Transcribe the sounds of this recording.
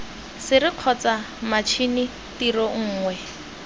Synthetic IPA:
sɪɾɪq͡χʰɔt͡sa | mat͡ʃʰini | tirɔŋ̩ːŋwɛ

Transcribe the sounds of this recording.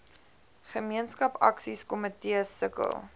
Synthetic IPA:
χəmiənskɐpɐ̰ksiskomətiəsəkə̰lˠ

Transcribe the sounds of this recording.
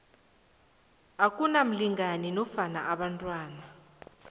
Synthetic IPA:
akʼunam̩liŋaninɔfana̰ʔaɓantʼwaːna

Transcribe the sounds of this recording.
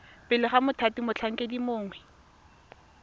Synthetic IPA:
pɪlɪχamʊtʰatimʊt͡ɬʰaŋ̩kʼedimʊːŋwɛ

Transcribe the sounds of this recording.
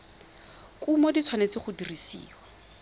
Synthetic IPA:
kumɔdit͡sʰwanet͡sɪχʊdirisḭːwa

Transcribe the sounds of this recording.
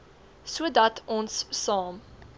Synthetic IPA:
suədɐtʰɔnsːɑːm

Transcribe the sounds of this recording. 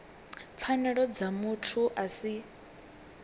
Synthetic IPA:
p̪fʰanɛɺɔd͡zamutʰuʔasi

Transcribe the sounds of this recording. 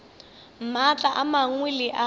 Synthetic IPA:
m̩mat͡ɬʼaʔamaŋwilɪʔa

